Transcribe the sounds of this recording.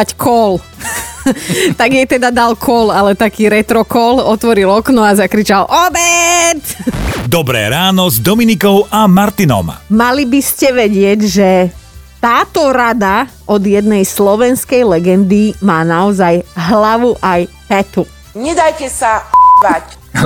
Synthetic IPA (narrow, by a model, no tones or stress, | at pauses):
ackʰɔl | t̪aɡjɛt̪ɛd̪ad̪alkʰɔlalɛt̪akiːɾɛt̪ɾɔkɔlɔt̪ʋɔɾilɔknɔazakɾit͡ʃalʔɔbɛt̪d̪ɔbɾɛ̰ːɾaːnɔzd̪ɔminikɔʊʔamaɾt̪inɔ̰mmalibiscɛʋɛɟɪɛɟʒɛt̪aːt̪ɔɾad̪aʔɔd̪jɛd̪nɛjslɔʋɛnskɛjlɛɡɛnd̪imaːnaɔzajɦlaʋuʔaj | pɛt̪u | ɲɛd̪ajcɛsaɔzɾac